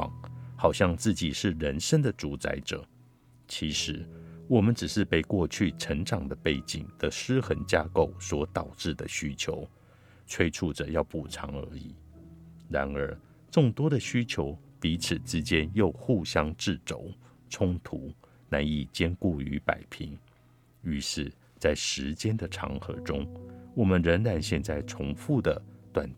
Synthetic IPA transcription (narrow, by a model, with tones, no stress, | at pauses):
ŋxɑ˨˩ʊɕjɑ˥˧ŋt͡sɹ̩˥˩t͡ɕi˨˩ʂɻ̩˥˩ɻə˧˥nʂə˥nd̪ə˨ʈ͡ʂu˧˥t͡sa̰˧˥ɪʈ͡ʂɤ̰˨˩˦ | t͡ɕʰi˧˥ʂɻ̩˧˥wɔ˨˩mə˦nʈ͡ʂɻ̩˨˩ʂɻ̩˥˧pe˥˧ɪkwɔ˥˧t͡ɕʰy˥˩ʈ͡ʂʰə˧˥ŋʈ͡ʂɑ˨˩ŋd̪ə˦pe˥˩ɪt͡ɕḭ˨˩ŋd̪̥ə˦ʂɻ̩˥xə˧˥nt͡ɕja˥ko˨˩ʊswɔ˧˥t̪ɑ˨˩ʊʈ͡ʂɻ̩˥˩d̪ə˩ɕy˥t͡ɕʰjo˧˥˦ʊ | t͡sʰwe˥ɪʈ͡ʂʰu˥˩ʈ͡ʂə˨˩jɑ˥˧ʊpu˨˩ʈ͡ʂʰɑ̰˧˥ŋə̰˞˧˥ḭ˨˩˦ɻa˧˥nə˞˧˥ | ʈ͡ʂʊ˥˩ŋt̪wɔ˥d̪ə˨ɕy˥t͡ɕʰjo˧˥ʊpi˧˥t͡s̩ʰ˨˩ʈ͡ʂɻ̩˥t͡ɕjɛ˥njo˥˧ʊxu˥˩ɕjɑ˥ŋʈ͡ʂɻ̩˥˩t͡so˨˩˦ʊ | t͡sʰʊ˥ŋt̪ʰu˧˥˦ | na˧˥ni˨˩t͡ɕjɛ˥nku˥˩y̰˧˥pa̰˨˩ɪpʰi˧˥ŋ | y˧˥ʂɻ̩˥˩ | t͡sa˥˩ɪʂɻ̩˧˥t͡ɕjɛ˥nd̪ə˨ʈ͡ʂʰɑ̰˧˥ŋxɤ̰˧˥ʈ͡ʂʊ˥ŋwɔ˨˩mə˦nɻə˧˥nɻa˧˥nɕjɛ˥˧nt͡sa˥˩ɪʈ͡ʂʰʊ˧˥ŋfu˥˩d̪ə˩t̪wa̰˨˩n